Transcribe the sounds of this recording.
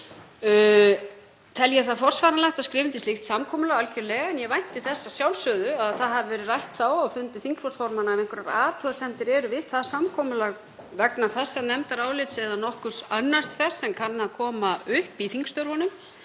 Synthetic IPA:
t̪ʰɛljaθaðfɔr̥sfaːɾanlajht̪aðskɾɪːvɪnt̪ɪst̪ɪxt̪samkʰɔːmʏlaɣalcʏɾlɛːɣaɛnjɛvajn̥t̪ɪθɛsːasjawlsœːðʏaðθaðɦavɪvɛːɾɪrajht̪θawaɣfʏnt̪ɪθiŋksfɔ̥sfɔɾmanaɛmejŋkʏɾaɾaːt̪ʰuasɛnt̪ɪɾɛɾʏvɪðθaðsamkʰɔːmʏlaɣ | vɛknaθɛsːanɛmt̪aɾaːwlɪt̪sɛðanɔhkʏsanːast̪θɛsːɛnkʰanːaakʰɔːmaʏhpiθiŋkst̪œɾvɔnʏm

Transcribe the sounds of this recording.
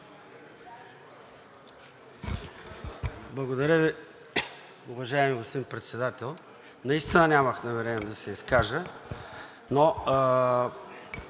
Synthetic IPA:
blˠɐɡod̪ɐɾʲəvi | ʊvɐʒaɛmiost̪impɾɛt̪sɛd̪at̪ɛlˠ | nɐist̪inənʲaməxnɐvɛɾɛnɛd̪ɐsɛiskaʒə | no

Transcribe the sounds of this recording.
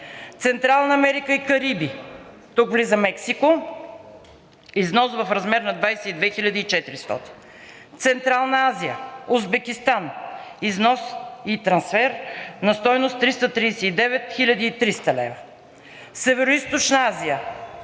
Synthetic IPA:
t̪sɛnt̪ɾalˠnɐɐmɛɾikəikɐɾibi | t̪ukvlizəmɛksiko | iznɔsvɐfɾɐzmɛɾnɐd̪vajsɛid̪vɛxilʲəd̪iit͡ʃɛt̪iɾist̪ɔ̰t̪i̥n | t̪sɛnt̪ɾalˠnɐaziəuzbɛkʲist̪aniznɔsit̪ɾɐnsfɛɾnɐst̪ɔjnost̪ɾist̪ət̪ɾisɛid̪ɛvɛt̪xilʲəd̪iːt̪ɾist̪əlɛ̰və | sɛvɛɾoist̪ot͡ʃnɐazijə

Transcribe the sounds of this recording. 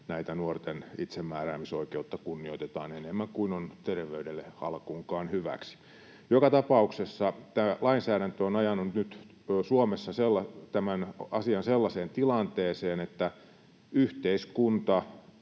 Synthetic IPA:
næit̪ænuort̪enit̪semːæːræːmisoikeut̪ːɑkunːioit̪et̪ɑ̰ːnenemːæŋkuinont̪erʋeydelːehɑ̰lkuŋkɑːnhyʋæ̰ksi̥ | jokɑt̪ɑpɑuksesːɑt̪æːlɑinsæːɾænt̪øonɑjɑnːunt̪nyt̪ː | suomesːɑselːɑt̪æmænɑsiɑnselːɑseːnt̪ilɑnt̪eːseːnet̪ːæ | yht̪eiskunt̪ɑ

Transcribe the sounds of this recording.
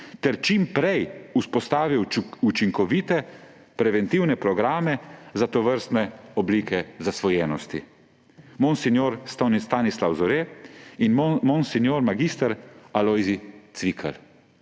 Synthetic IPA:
t̪ɛɾt͡ʃimpɾɛjuspɔst̪aːʋiwut͡ʃiŋkɔʋit̪ɛ | pɾɛʋɛnt̪iwnɛpɾɔɡɾaːmɛzat̪ɔʋəɾst̪nɛɔbliːkʰɛzasʋɔjɛnɔst̪ḭ | mɔnsɛnjoɾst̪ɔnist̪anislawzɔɾeinmɔnsɛnjoːɾmaɡist̪əɾalɔjzit̪sʋikʰə̰l

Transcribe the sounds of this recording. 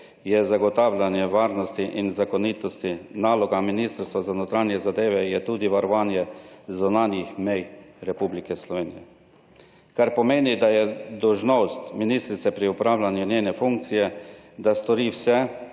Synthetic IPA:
jɛzaɡɔt̪aːwlanjɛʋaːɾnɔst̪iʔinzakɔniːt̪ɔst̪inaːlɔɡaminist̪əɾst̪ʋazanɔt̪ɾaːnjɛzad̪eːʋɛjɛt̪uːd̪iʋaɾɔʋaːnjɛzunaːnjixmɛjɾɛpublikɛslɔʋeːnijɛ | kaɾpɔmeːnid̪ajɛd̪ɔwʒnost̪miniːst̪ɾit̪sɛpɾiupɾaːwlʲanjunjeːnɛfuŋk̚t̪sijɛd̪ast̪ɔɾiːwsɛ

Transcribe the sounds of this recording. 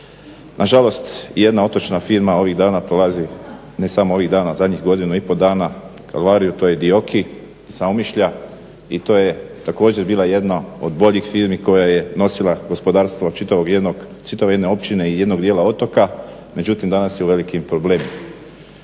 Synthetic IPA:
nʔaʒalo̞st̪je̞d̪nao̞t̪o̞t͡ʃnafiɾmao̞ʋiɣd̪aːnapɾo̞lazi | ne̞samoo̞ʋiɣd̪aːnauzad̪ɲixɡo̞d̪inuipo̞d̪aːna | kʰa̰lʋaːɾijut̪o̞ːjed̪io̞kʰi | saomiʃʎa | it̪o̞ːjet̪ako̞ːd͡ʑeɾbiːlaje̞d̪nao̞d̪bo̞ʎixfiːɾmiko̞jaje̞no̞silaɡo̞spo̞d̪aːɾst̪ʋot͡ʃit̪aʋoɡeoɡ | t͡ʃit̪aʋee̞d̪neo̞pt͡ʃine̞ije̞d̪no̞ɡd̪jelao̞t̪o̞ka | me̞d͡ʑut̪imd̪anasjeuʋe̞likimpɾo̞ble̞ːmima

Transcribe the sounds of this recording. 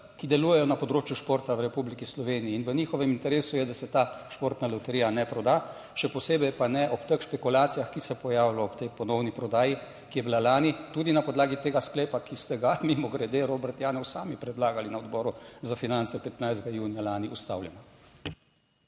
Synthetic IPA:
kid̪ɛluːjɛjɔnapɔd̪ɾoːt͡ʃjuʃpoːɾt̪awɾɛpublikislɔʋeːniːnʋəniːxɔʋɛmint̪ɛɾeːsujɛd̪asɛt̪aːʃpoːɾt̪nalɔwt̪ɛɾijanɛpɾɔd̪a | ʃɛpɔseːbɛjpanɛʔɔpt̪əkʃpɛkulaːt̪sijaxkisɛpɔjaːwlɔːpt̪ɛjpɔnɔwnipɾɔd̪aːji | kijɛbilalaːnit̪uːd̪inapɔd̪laːɡit̪eːɡaskleːpakist̪ɛɡamimɔɡɾɛd̪eɾoːbɛɾt̪jaːnɔwsaːmipɾɛd̪laːɡalinaɔd̪bɔːɾuzafinant̪sɛpɛt̪najzd̪ɡajuːnijalaːniʔust̪a̰wljɛna

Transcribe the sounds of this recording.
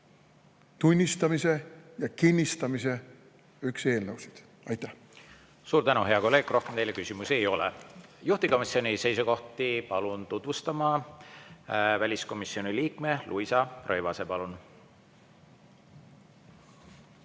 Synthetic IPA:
t̪unʲːist̪ɑmisejɑkinʲːist̪ɑmise | ykse̞ːlnəwsid̪̥ | ɑjt̪ːˑæh | suːɾt̪ænuɦe̞ɑko̞lːe̞ːɡ̥rʔo̞hkemt̪e̞jlːjekysʲimusiejo̞lɛ̰juht̪iko̞misio̞nʲise̞jsuko̞ht̪ipɑlunt̪ut̪vust̪ɑmɑ | vælʲisko̞misːio̞niliːk̚melʔuisɑrʔø̞jvɑse̞pɑlun

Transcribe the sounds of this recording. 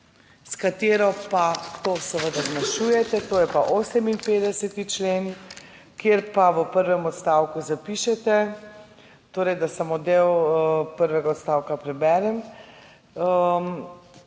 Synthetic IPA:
skat̪eːɾɔpat̪osɛʋəd̪aznaʃuːjɛt̪ɛt̪oːjɛpaʔoːsɛminpeːd̪ɛsɛt̪it͡ʃleːn | kjeɾpaʋəpəɾʋɛmɔt̪st̪aːwkuzapiʃɛt̪ɛ | t̪oːɾɛjd̪asamod̪ewpəɾʋɛɡaɔt̪st̪aːwkapɾɛbɛːɾɛm

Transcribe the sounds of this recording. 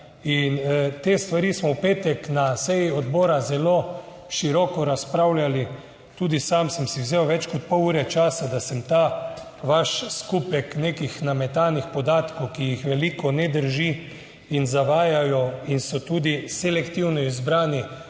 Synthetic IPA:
int̪eːst̪ʋaɾismɔwpeːt̪ɛknasɛjiɔd̪bɔːɾazɛloː | ʃiɾɔkɔɾaspɾawljali | t̪ud̪isamsəmsiwzewʋɛt͡ʃkɔt̪̚pɔwuːɾɛt͡ʃaːsad̪asɛmt̪a | ʋaʃskuːpɛknekixnamɛt̪anixpɔd̪aːt̪kowkijixʋɛlikɔnɛd̪əɾʒi | inzaʋaːjajɔinsɔt̪uːd̪isɛlɛkt̪iwnɔizbɾaːni

